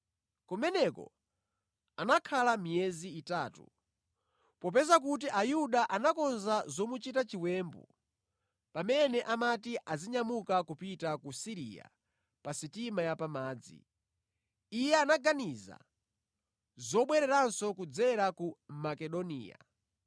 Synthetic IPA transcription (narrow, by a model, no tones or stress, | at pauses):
kɔmɛnɛkɔ̰ | anakʰalamijɛziːtatṵ | pɔp̬ɛzak̬ut̬iʔajuɗaʔanakɔnzazɔmut͡ʃitat͡ʃiwɛmbṵ | pamɛnɛʔamatiʔaziɲamukakupitakusiɾḭja̰ | pasitimajapamaːd͡zḭ | ijɛanaɡaniza̰ | zɔɓwɛɾɛɾansɔkud͡zɛɾakumakɛɗɔnḭːja̰